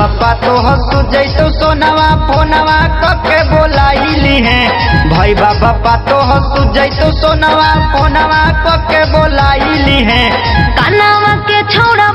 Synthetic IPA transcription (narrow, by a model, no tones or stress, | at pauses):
apːat̪oɦɔsud͡ʒəjt̪osonaʋaponaʋakɔkebolailiɦẽ | bʱəjbabapat̪oɦɔsud͡ʒəjt̪osonaʋaponaʋakɔkebolailiɦẽ | kanaʋaket͡ʃʰoʊɽa